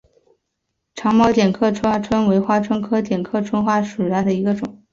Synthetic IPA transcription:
ʈ͡ʂʰɑ˧˥ŋmɑ˥ʊt̪jɛ˨˩nkʰɤ˥˩ʈ͡ʂʰa˥ʈ͡ʂʰwə˥nwe˧˥ɪxwa˥ʈ͡ʂʰwə˥nkʰɤ˥t̪jɛ˨˩nkʰɤ˥˩ʈ͡ʂʰwə˥nxwa˥˩ʂɻ̩˨˩ɻa˥˩d̪ə˩i˧˥ɡə˧ʈ͡ʂʊ˨˩˦

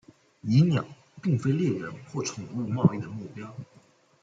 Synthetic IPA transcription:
i˧˥njɑ˨˩˦ʊ | pi˥˩ŋfe˥ɪljɛ˥˩ɻə˧˥nxwɔ˥˩ʈ͡ʂʰʊ˨˩ŋlu˥˧mɑ˥˧ʊi˥˩d̪ə˩mu˥˩pjɑ˥ʊ

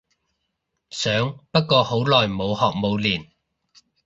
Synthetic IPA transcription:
sœː˨˥ŋpɐ˥t̚kɔː˧ho˨˥wlɔː˨jmo˨˧whɔː˨k̚mo˨˧wliː˨˩n

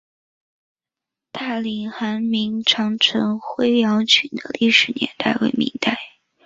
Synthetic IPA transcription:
t̪a˥˩li˨˩xa˧˥nmi˧˥ŋʈ͡ʂʰɑ˧˥ŋʈ͡ʂʰɤ˧˥ŋxwe˥ɪljɑ˧˥ʊt͡ɕʰy˨˩d̪ə̰˦li˥˩ʂɻ̩˨˩njɛ̰˧˥nt̪a˥˩ɪwe˧˥ɪmḭ˧˥ŋt̪a˥˩ɪ

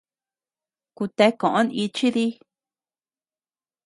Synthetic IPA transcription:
ku˧t̪e˧kõ˨ʔõ˦ni˧t͡ʃi˦ði˦

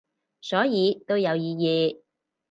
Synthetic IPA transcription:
sɔː˨˥jiː˨˧t̪o˥wjɐ˨˧wjiː˧jiː˨˧

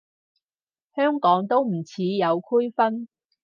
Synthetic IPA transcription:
hœː˥ŋkɔː˨˥ŋt̪o˥wm̩˨˩t͡sʰiː˨˧jɐ˨˧wkʰu˥jfɐ˥n

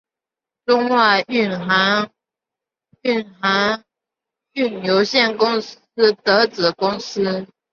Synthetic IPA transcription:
ʈ͡ʂʊ˥ŋwa˥˩˧y˥˨˩na˧˥˦ŋ | y˥˩nxa˧˥ŋ | y˥˩njo˧˦ʊɕjɛ˥˩nkʊ˥ŋ̩˥ | t̪ɤ˧˥t͡sɹ̩˨˩kʊ˥ŋs̩˥

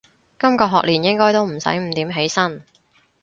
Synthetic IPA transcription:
kɐ˥mkɔː˧ɦɔː˨k̚liː˨˩njɪ˥ŋkɔː˥jt̪o˥wm̩˨˩sɐ̰˨˥jm̩˨˥t̪iː˨˥mɦe˨˥jsɐ˥n

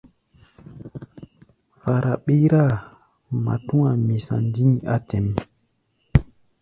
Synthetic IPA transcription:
fa˨ɾʔa˨ɓe˦ɾa˦˨ | ma̰˨tu˦ŋa˨mi˨sa̰˨ndi˦ŋa˦tɛ˨m

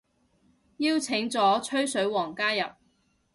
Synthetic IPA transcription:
jiː˥wt͡sʰɪ˨˥ŋt͡sɔː˨˥t͡ʃʰɵ˥ɥsɵ˨˥ɥwɔː˨˩ŋkaː˥jɐ˨p̚

